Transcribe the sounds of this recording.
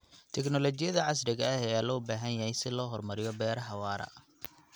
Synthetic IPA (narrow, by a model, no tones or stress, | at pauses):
t̪ʰɛknɔlɔt͡ʃɪjɐðɐʕɑs̬ɾɪɣɐɐɛjaːlɔːbaːɦɐnjahɛjsɪlɔːɦɔrmɐɾɪjɔbɛːɾɐɦɑwɑːɾɐ̰